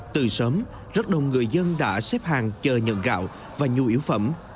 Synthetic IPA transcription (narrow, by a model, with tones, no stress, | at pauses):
t̪ɨ˨˩səː˨˦m | zə˦˥t̚ɗə̰˧˨wŋ͡mŋɨ˨˩əjzə˧nɗa̰ː˧˥sɛ˦˥p̚haː˨˩ŋt͡ɕəː˨˩ɲə̰˧˨nɣa̰ː˧˨w | vaː˨˩ɲu˨˩ʔi˧˩əwfə̰˧˩m